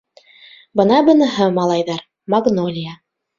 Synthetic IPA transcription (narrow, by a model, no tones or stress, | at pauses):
bɤ̆nɑbɤ̆nɤ̆ɦɤmɑlˠɑjðɑɾ | mɑɡnolʲija